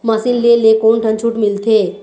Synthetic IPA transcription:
masinlelekoɳʈʰə̃nt͡ɕʰuːʈmilt̪ʰe

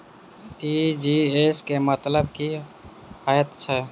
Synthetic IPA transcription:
ʈiːd͡ʒieːskemət̪ləb̚ki | haːjət̪t͡ʃʰɛ

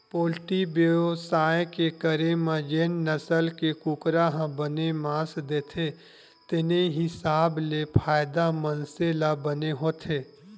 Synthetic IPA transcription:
poːlʈibosaːjekekəɾemãd͡ʒeːnnəsəlkekukɾaɦãbənemãːsd̪eːt̪ʰe | t̪ɪneɦɪsaːblepʰaːjd̪amənselabəneɦoːt̪ʰeː

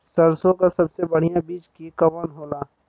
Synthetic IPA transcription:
sɐɾsõkasɐbsebɐɽ̤ijãbiːt͡ʃkikɐʋənɦoːlaː

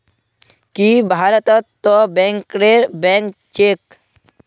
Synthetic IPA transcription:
kibʱaːɾət̪ɔt̪ːɔbɛ̃ŋkɾeɾbɛ̃ŋkt͡ʃek

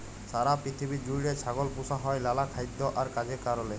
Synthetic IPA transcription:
saɾapɾit̪ʰibid͡ʑuiɽesʰaɡolpusaɦɔejlalakʰajd̪ːɔʔaɾkad͡ʑekaɾɔle

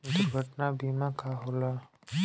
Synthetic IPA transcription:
d̪ʊɾɡʱəʈnabiːmãkaɦola

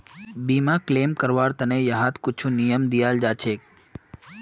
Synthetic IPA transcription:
bimãklemkəɾʋaɾt̪ənejəɦat̪kʊt͡ʃʰũnijəmd̪ijald͡ʒat͡ʃʰek̚

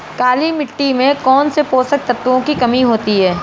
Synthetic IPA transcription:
kaːlimɪʈːimẽkɔːnsepoːsək̚t̪ɐt̪ːõkikɐmiɦoːt̪iɦɛː

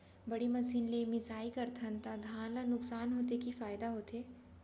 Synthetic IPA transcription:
bɐɽimɐsiːnlemɪsaːikɐɾt̪ʰɐ̃nt̪ad̪ʱaːnlanʊksaːnɦoːt̪ekifaːjɪd̪aɦoːt̪eː

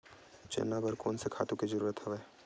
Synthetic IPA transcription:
t͡ʃḛːnːabəɾkɔːnsekʰaːt̪ũkizəɾuːɾət̪ɦɛʋeː

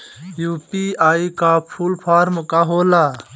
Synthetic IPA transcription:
juːpiːaːikaːpʰuːlpʰaːɾmkaːɦoːlaː

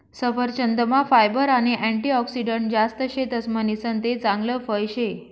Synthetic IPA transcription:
səfəɾt͡ɕənd̪əmafajbəɾaɽ̃iʔæ̃ɳʈiɔksiɖəɳʈ̚d͡zast̪əɕet̪əsmənisənt̪et͡sãŋɡləfəjɕe

